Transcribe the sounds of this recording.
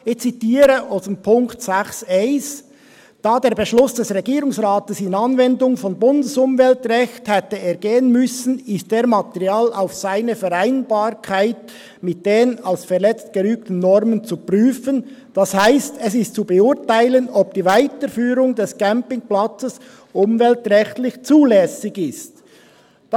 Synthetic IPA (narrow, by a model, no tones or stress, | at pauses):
ɪçt͡sitiːɾəʔɔsənpʰʊŋktsɛxseɪs | d̥aːdeːɐɾbəʃlʊsd̥ɛsʁɛɡiːɾʊŋsʁaːtəsɪnɑnvɛndʊŋfɔnbʊndəsʊmvɛltʁɛçthɛtəeːɾɡeːənmʏsn̩ɪst̚d̥eːɾmɑtɛʁjaːla̰ʊfsaɪnəfɛɾaɪnbaːɾkʰaɪt̚ | mɪt̚d̥eːnalsfɛʁlɛt͡st̚ɡ̥əɾyːk̚tən̩ːɔɾmənt͡supʁyːfənd̥ɑshaɪstɛsɪstt͡subeʊtaɪlənɔb̚d̥iːvaɪtəfyːɾʊŋdɛskɛmpɪŋplat͡səs | ʔʊmvɛltʁɛçtlɪçt͡suːlɛsɪɡɪst